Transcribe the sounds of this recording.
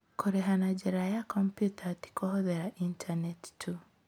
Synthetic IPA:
kɔɾɛɦanad͡ʒɛɾajakɔmpjutʰati̥kʰɔhɔðɛɾaʔintʰanɛttʰu

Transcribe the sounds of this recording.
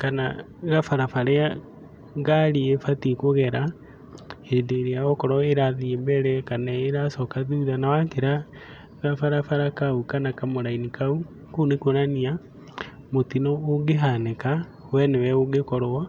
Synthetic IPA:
kana̰ | ɣafaɾafaɾea | ɣaɾiefatikoɣɛɾa | hedeɾiaɔkɔɾɔeɾaðiembɛɾɛkanaeɾasɔkaðiuðanawakeɾa | ɣafaɾafaɾakaukanakamoɾainikau | kunekonania | motinɔoɡeɦaneka | wɛnewɛoɡekɔɾowa

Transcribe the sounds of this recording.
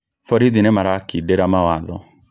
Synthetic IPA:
fɔɾiðinɛmaɾakidɛɾamawaðɔ

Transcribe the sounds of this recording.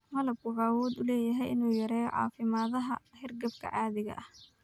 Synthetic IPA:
mɐlɐb̚kʰʊʕawɔːd̪ʊlɛːjɐɦɛjʔɪnuːjɐɾɛːjʕɑ̰ːfɪmaːðɐɦɐ̰hɪrɡɐb̚kʰɐ̰ʕɑaːðɪɣɐ̰ʔɐh

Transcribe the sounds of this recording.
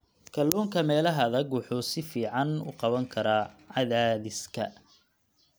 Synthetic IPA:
kʰɐlːuːŋkʰɐmɛːlɐɦɐːðɐɡwʊħʊːsɪfiːʕɑnʊ̰qɑβɐŋkʰɐɾaːʕɑðaːðɪskʰɐ̰

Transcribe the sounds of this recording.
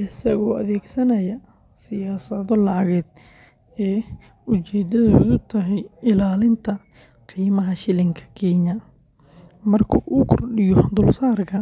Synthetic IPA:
ʔɪsɐɣɔːʔɐðɛːɡsɐnɐjɐ | sɪjaːsɐðɔlɑʕɣɛːd̪ | ɛː | ʊt͡ʃɛːd̪ɐðod̪ʊt̪ʰɐɦɛjɪlaːlɪnt̪ʰɐ | qiːmɐɦɐʃɪlɪŋkʰɐ̥kʰiːnɐ | mɐrkʰuːʔuːkʰɔrɗɪjɔd̪ʊlsaːrkʰɐ

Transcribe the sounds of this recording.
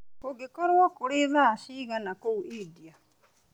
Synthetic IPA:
koɡekɔɾwɔkoɾeðaːʃiɣanakouidia

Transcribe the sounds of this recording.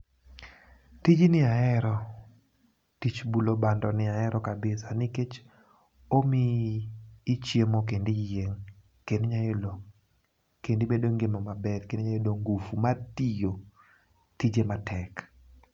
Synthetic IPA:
tid͡ʒinɪaɛɾɔ | tit͡ʃbulobandɔnɪaɛɾɔkabɪsanɪket͡ʃ | omiː | t͡ʃjemok̬endijeŋ | kendɲajolo | kendibedoŋɡemɔmabɛdkendeɲajodoŋɡufumatijo | tid͡ʒematʰɛk

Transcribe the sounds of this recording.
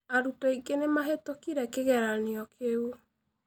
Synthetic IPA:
aɾutaiɡenemaɦetokiɾɛkeɣɛɾaneɔkʰeu

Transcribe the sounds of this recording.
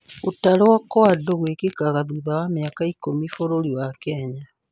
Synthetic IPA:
otaɾewakoadoɣwekekaɣaðuðawameakaikomifoɾoɾiwakɛɲa

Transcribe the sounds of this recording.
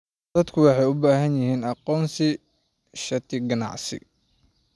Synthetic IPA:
d̪̥ɐd̪kʰʊwɑħɑjʊbaːɦɐnjɪɦiːnɑqɔːnsɪ | ʃɐt̪ʰɪɡɐnɑ̰ʕsɪ̰

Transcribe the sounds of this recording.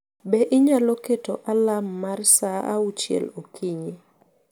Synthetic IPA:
bɛʔɪɲaloketoʔalamːarsaa̰ut͡ʃjɛ̰lokʰiɲi

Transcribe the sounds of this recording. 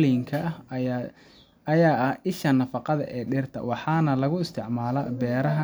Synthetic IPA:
liŋkʰɐ | ɐjaːʔɐhʔɪʃɐnɐfɑqɑðɐ̰ʔɛːɖɪrt̪ʰɐ̰wɑħɑːnɐlɐɣʊɪst̪ʰɪʕmaːlɐbɛːɾɐɦɐ

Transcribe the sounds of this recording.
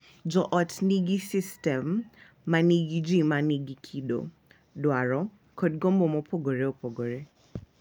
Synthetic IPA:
d͡ʒɔʔɔtniɡisistɛmː | aniɡid͡ʒimaniɡikʰido̰ | dwaɹɔ | kʰod̚ɡɔmbɔmopʰɔɡoɾeopʰɔɡoɾe

